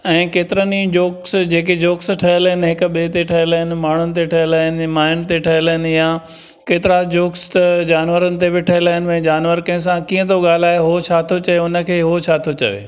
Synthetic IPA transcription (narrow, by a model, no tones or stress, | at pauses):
ɛ̃ːkeːt̪ɪɾənid͡ʑoːksd͡ʑeːk̬ed͡ʑoːksʈʰɐɦəlɦɪnɪɦɪkʊ̆ɓet̪eʈʰɐɦɪlɦɪnɪ̆maːɳ̤ʊnɪ̆t̪̬eʈʰɐɦəlːɦɪnɪ̆maːɦɪn̆t̪eʈʰɐɦɪləɦɪnɪ̆ja | keːt̪ɪɾad͡ʑoːkst̪ɐd͡ʑaːnʋəɾənɪ̆t̪ebɪʈʰɐɦɪlaːɦɪnɪɛ̃ːd͡ʑaːnʋəɾkɐɪ̃s̬ãkiːə̃t̪oɠaːl̤aːɦeɦot͡ɕʰaːt̪ʰot͡ɕɐʋeʊnə̆kʰeːɦot͡ɕʰaːt̪ʰot͡ɕɐ̰ʋḛː